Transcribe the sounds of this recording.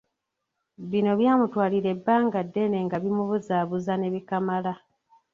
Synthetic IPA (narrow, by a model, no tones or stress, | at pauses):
βino̞βjaːmutwaːliɾe̞bːaːŋɡadːe̞ne̞ŋɡaβimuβuzaːβuzane̞βikamala